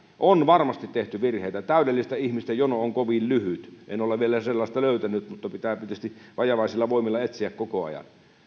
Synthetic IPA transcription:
ʔonʋɑrmɑst̪it̪t̪eht̪yʋirheit̪æt̪æˑydelːist̪æihmist̪æjonooŋkoʋillyhyt̪ḛnolːeʋielæselːɑˑst̪ɑløˑyt̪ænyt̪mut̪ːɑpit̪æːpit̪yest̪iʋɑjɑʋɑˑisilːɑʋoˑimilːˑɑet̪siækkokoɑ̰jɑ̰n

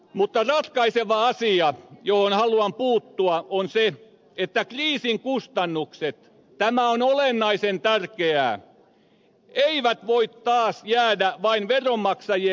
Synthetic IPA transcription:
mut̪ːɑrɑt̪kɑiseʋɑɑsiɑjohonhɑluɑmpuːt̪ːuɑʔonse | et̪ːækriːsiŋkust̪ɑnːukset̪ | t̪æmæonolenːɑisent̪ærkeæ̰ː | eiʋæt̪ʋoit̪tɑːsjæːdæʋɑinʋeromːɑksɑje

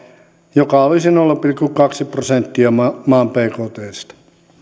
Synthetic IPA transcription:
jokɑolisinolːupilkːukɑksiprosent̪ːiɑmɑmɑːmpeikoːt̪eːst̪ɑ̥

